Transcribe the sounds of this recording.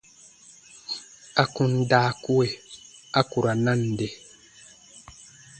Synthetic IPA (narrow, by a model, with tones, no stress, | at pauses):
a˨ku˨ndaː˦ku˦we˨a˦ku˨ɾa˨na˦nde˨